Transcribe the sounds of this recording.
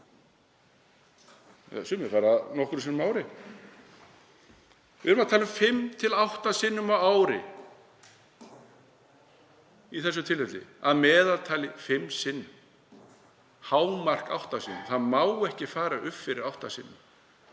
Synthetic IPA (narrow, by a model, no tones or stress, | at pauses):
sʏmɪfaːɾanɔhkʏɾsɪnːʏmaːwɾɪ | vɪɾʏmat̪ʰaːlʏmfɪmt̪ʰɪlawht̪asɪnːʏmawaːwɾɪ̰ | iθɛsːʏt̪ʰɪlvɛt̪lɪ̰aðmɛːðalt̪ʰaːlɪfɪmːsɪnːʏm | haːwmar̥ka̰wht̪asɪnʏmθaðmawɛhcɪfaːɾaʔʏpfɪɾɪɾawht̪asɪnːʏm